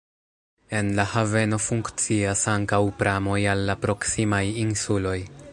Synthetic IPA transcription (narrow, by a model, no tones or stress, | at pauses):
e̞nlahave̞no̞fuŋkt͡siasaŋkawpɾʔamo̞jalːapɾo̞ksimajinsulo̞j